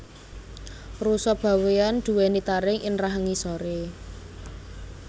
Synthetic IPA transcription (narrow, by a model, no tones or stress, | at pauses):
rusɔb̥a̤weand̪̥ṳwɛnit̪aɾɪŋʔɪnraɦaŋisɔɾe